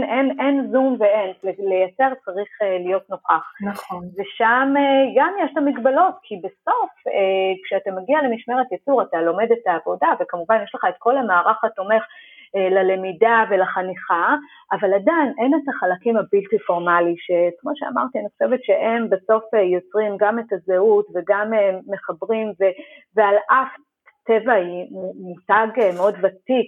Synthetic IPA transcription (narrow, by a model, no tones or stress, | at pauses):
nʔenʔenzumveenlelejat͡se̞ʁt͡saʁiχelijo̞tnoχaχnveʃameɡamjeʃtamiɡbalo̞tkʰibeso̞fekʃeatameɡiale̞miʃme̞ʁet̪jat͡suʁatalo̞me̞detaːvo̞davekamuvanjeʃleχaetko̞lamaːʁaχato̞me̞χelale̞midave̞laχaniχa | ʔavaladajnʔe̞netaχalakimabiltifo̞ʁmaliʃekmo̞ʃea̰ma̰ʁt̪ianiχoʃevetʃe̞ʔe̞mbeso̞fejo̞t͡sʁimɡametazeutveɡamemːe̞χabʁimve̞vealʔaf | te̞vaimumutaɡemeo̞dvatik